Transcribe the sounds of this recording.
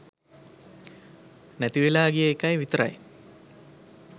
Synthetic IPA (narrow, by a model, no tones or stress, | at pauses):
næt̪iʋelaːɡijəːkajʋit̪ɾa̰j